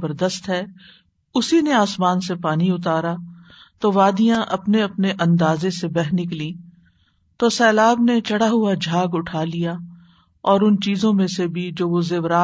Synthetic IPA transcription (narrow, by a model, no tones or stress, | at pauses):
bəɾd̪əst̪ɦɛː | ʊsineaːsmaːnsepaːniʊt̪aːɾa | t̪oːʋaːd̪ijãʔɐpneɐpneʔɐ̃nd̪aːzesebɛɦnɪk̬lĩː | t̪oːsɛːlaːbnet͡ʃɐɽaɦʊad͡ʒʱaːɡʊʈʰaːlija | ɔːɾʊnt͡ʃiːzõmẽsebʱid͡ʒoːʋozeːʋɾaː